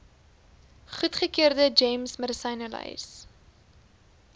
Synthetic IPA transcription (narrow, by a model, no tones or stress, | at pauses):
χutχəkiərdəd͡ʒejmsmədəsɐjnəlɐ̰js